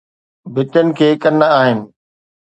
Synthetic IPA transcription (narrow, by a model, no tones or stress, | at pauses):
bɪtənɪ̆kʰeːkɐnəaːɦɪnɪ̆